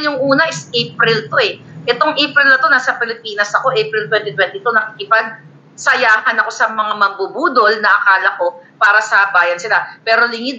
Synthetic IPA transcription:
jʊŋʔuːnɐʔɪsejpɾɪlt̪o̞ɛʔɛt̪o̞ŋʔejpɾɪlnɐt̪o̞nasɐpɪlɪpiːnɐsɐko̞ʔejpɾɪlt̪wɛnt̪it̪wɛnt̪ɪt̪onɐkɪkɪpaɡ̚ | sɐjaːhɐnɐko̞sɐmɐŋamɐɡ̚bubuːd̪o̞lnɐʔɐkaːlɐko̞paːɾɐsɐbaːjɐnsɪlapɛːɾo̞lɪŋɪd̪̚

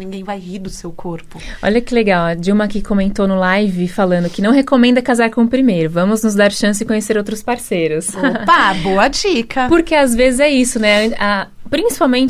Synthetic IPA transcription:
nĩŋɡẽj̃vajiɾd̪ʊsewkʰoɾpʊɔ̰ʎɐkɪleɡawɐd͡ʒiwmɐkɪkomẽnt̪ownʊlajvɪfalɐ̃nd̪ʊkɪnɐ̃w̃ɦekomẽnd̪ɐkazaɾkõʊpɾimejɾʊvɐ̃mʊznʊzd̪aɾʃɐ̃sɪd͡ʒɪkõɲeseɾowt̪ɾʊspaɾsejɾʊspaboɐd͡ʒikʰɐpoɾkeazvezɪzɛisʊnɛɐ̃apɾĩsi̥pawmẽnt͡ʃɪ

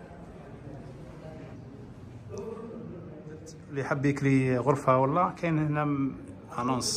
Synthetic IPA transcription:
liħəbːjəkɾiɣʊɾfhæwəlːækæjnnæm | hanons

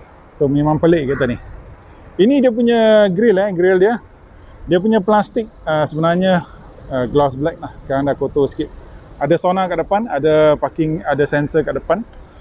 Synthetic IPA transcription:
somemãŋpəleʔkit̪anih | inidiəp̬uɲəɡɾɪlɛɡɾɪldiə | diəp̬uɲaplast̪ɪk̚əsəbənarɲə | əɡlasblɛk̚lahsə̥kaɾaŋdakot̪oskɪt̪̚ | adasonakaʔdəpanadapakɪŋadasɛnsəkaʔdəpan

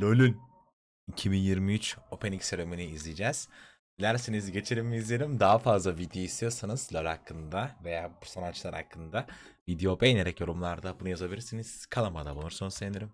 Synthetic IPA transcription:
lʲolʲynʲ | icʰibinjiɾmiyt͡ʃo̞pʰenicsøɾeminiːzlʲid͡ʒɛz̥ | bilʲæɾsinizɟe̞t͡ʃʰeɾimmːiːzlʲeɾimd̪aɦafazlˠavid̪joist̪ʰijo̞ɾsanɯzlʲolʲakʰːɯnd̪ave̞jaːbu̥sanat͡ʃlˠaɾa̰kʰːɯnd̪a | vid̪ijopejneɾɛcjo̞ɾumlˠaɾd̪abunujazabilʲiɾsiniz̥kʰalˠamad̪abunuɾsunɯzeneɾim

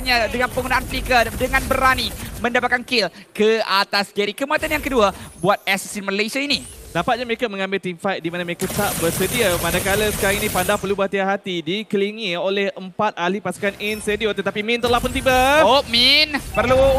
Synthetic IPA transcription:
ɲadəŋanpəŋɡunãanflikadəŋanbəɾanimə̃ndapat̪̚kankɪlkəat̪asd͡ʒaɾikəmuat̪anjaŋkəduabuat̪̚ɛsisinməlesainidapat̪̚ɲaməekamə̃ŋãmbɪlt̪imfajt̪̚dimanaməekat̪aʔbərsədiamanakaləsə̥kaɾaŋinipandapərlubəat̪iaɦat̪idikəliŋiolɛhəmpat̪̚alipasu̥kaninsediot̪ət̪apimĩnt̪əlahpʊnt̪ibaominpərlu

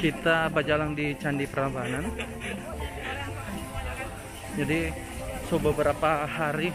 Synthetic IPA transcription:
kit̪abad͡ʒalaŋdit͡ʃandipəɾabanan | d͡ʒadi | sobəbəɾapahaɾi

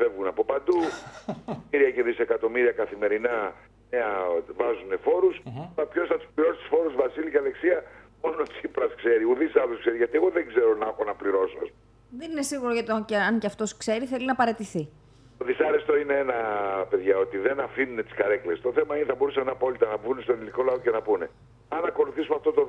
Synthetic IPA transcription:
fe̞vɣunɐpo̞pɐnd̪u | iɾiɐceðise̞kɐt̪o̞miɾiɐkɐθime̞ɾinɐ | neɐvɐzune̞fo̞ɾuslɐpço̞sθɐt̪u̥spliɾo̞so̥t̪u̥sfo̞ɾuzvɐsiliceɐle̞ksiɐmo̞not͡sipɾɐskse̞ɾiuðisɐloskse̞ɾiʝɐt̪ie̞ɣo̞ðeŋɡze̞ɾo̞nɐxo̞nɐpliɾo̞soɐ̰spom | ðenine̞siɣuɾoʝɐt̪iocɐɲceɐft̪o̞skse̞ɾiθe̞linɐpɐɾe̞t̪iθi | t̪o̞ðisɐɾest̪o̞ineenɐpe̞ðʝɐo̞t̪iðe̞nɐfinune̞t̪iskɐɾe̞kle̞st̪o̞θe̞mɐineθɐbo̞ɾusɐnɐpo̞lit̪ɐnɐbunest̪o̞niliko̞lɐo̞ce̞nɐpune̞ | ɐnɐko̞luθisumeɐft̪o̞t̪o

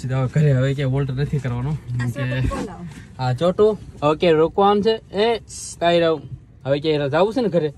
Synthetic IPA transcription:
t͡ʃid̪aʋɡʱəɾeɦəʋekeʋolʈnət̪ʰikəɾʋanõkũke | at͡ʃoʈookeɾokʋaːnt͡ʃʰeeskaiɾau | ɦəʋekʲeiɾad͡ʒaʋut͡ʃsʰeneɡʱəɾe

